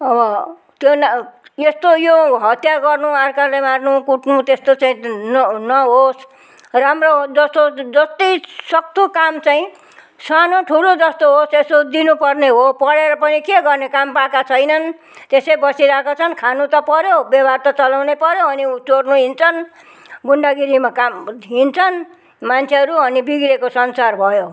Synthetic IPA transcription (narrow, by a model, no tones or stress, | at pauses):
ʌbʌ | t̪jonest̪ojoɦʌt̪jaɡʌrnuarkarlemarnukuʈnut̪est̪ot͡saĩnnʌɦos | ramrod͡zʌst̪od͡zʌst̪ʌjsʌk̚t̪ʰukamt͡saĩ | sanoʈʰulod͡zʌst̪oɦosesod̪inupʌrneɦopʌɽeɾʌpʌnikeɡʌrnekampakat͡sʰʌjnʌn | t̪esejbʌsiɾakʰot͡sʰʌnkʰanut̪ʌpʌɾjobjʌbart̪ʌt͡sʌlawnepʌɾjoʌnit͡sornuɦint͡sʰʌn | ɡuɳɖaɡiɾimakamɦint͡sʰʌn | mant͡sʰeɦʌɾuʌnibiɡɾekosʌnsarbʱʌjo